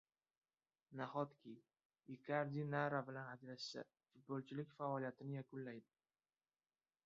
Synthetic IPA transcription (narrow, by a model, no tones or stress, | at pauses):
nahɒt̪kʲij | ɪkʲʰaɾd̪inaɾabɪlanad͡ʒɾaʃsa̰ | fʊt̪̚bolˠt͡ʃʰɪlɪkʲfaɒlijat̪ʰɪnɪjakʰʊnlːajd̪ɪ